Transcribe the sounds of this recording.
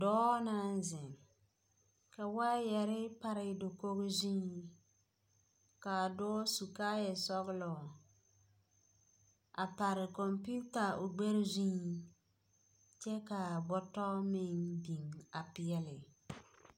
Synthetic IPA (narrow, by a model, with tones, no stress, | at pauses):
dɔː˦na˦n˦zɪ˨ŋ | ka˨waː˦jɛ˨ɾɪ˦pa˦ɾɪ˨do˨ko˦ɣɪ˦zĩː˦ | ka˨dɔ˦su˨kaː˦jɛ˨sɔ˦ɣɪ˦lɔ˨ | a˨pa˨ɾɪ˨kɔ˨mpu˦ta˨ʊ˨ɡ͡be˦ɾɪ˦zĩ˦ | t͡ʃɛ˦ka˨bɔ˦tɔ˦mɪ˦ŋbi˨ŋa˨pɪ˦ɛ˦lɪ˨